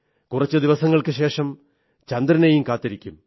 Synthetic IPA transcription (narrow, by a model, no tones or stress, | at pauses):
kurɐt͡ɕːɨd̪iʋɐsɐŋːɐɭkɨɕe̞ːʂɐm | t͡ɕɐnd̪ɾɐnejumkaːt̪ːiɾikʲːum